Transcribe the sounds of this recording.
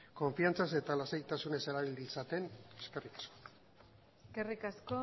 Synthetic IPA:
ko̞ɱfiant͡sase̞t̪alasejt̪asune̞se̞ɾaβild̪isat̪e̞ne̞ske̞rikḁsko̥ | eskerikasko

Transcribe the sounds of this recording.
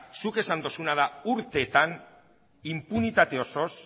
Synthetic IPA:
suke̞sand̪o̞sunað̞auɾt̪e̞t̪an | impunit̪at̪e̞o̞so̞s

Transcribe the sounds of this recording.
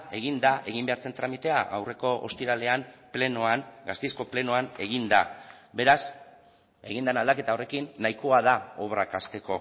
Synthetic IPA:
e̞ɣ̞ind̪aʔe̞ɣ̞imbe̞aɾt͡se̞nt̪ɾamit̪e̞aʔa̰wre̞ko̞ʔo̰st̪iɾale̞amplenoanɡast̪esko̞ple̞noane̞ɣ̞ind̪a̰be̞ɾas | e̞ɣind̪anald̪ake̞t̪aore̞kinːajko̞að̞ao̞βɾakast̪e̞ko̞

